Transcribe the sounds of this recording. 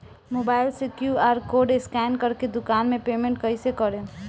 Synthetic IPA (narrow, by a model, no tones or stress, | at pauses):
moːbaːɪlsikjuaːɾkoːɖeskɛːnkəɾked̪ʊkaːnmẽpeːmẽɳʈkəɪsekəɾẽ